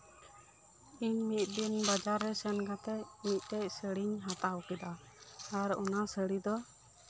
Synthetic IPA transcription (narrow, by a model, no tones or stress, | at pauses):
iɲmit̪̚ˀdinbad͡ʒaɾːɛsɛnɡat̪ɛcmit̪̚ˀʈɛc̚səɽiɲɦat̪awkɛd̪aː | ɾɔ̰nasəɽid̪ɔ